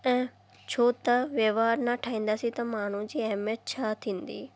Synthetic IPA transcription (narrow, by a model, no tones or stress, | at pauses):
ɛ̃ː | t͡ɕʰoːt̪ɐʋjəʋaːɾnaʈʰaːĩːn̆d̪aːsĩt̪ɐmaːɳ̤ũd͡ʑiːɛɦmjət̪̚t͡ɕʰaːt̪ʰĩːnd̪ḭː